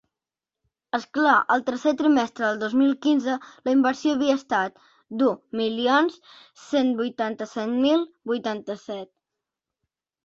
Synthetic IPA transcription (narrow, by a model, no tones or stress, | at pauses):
əsklaʔəlˠt̪əɾset̪ɾimɛst̪ɾəðəlˠd̪ozmilˠkinzələimbəɾsioəβiəːst̪at̪̚ | d̪umilions | senbujt̪ant̪əsɛt̪milˠ | bujt̪ant̪əsɛt̪̚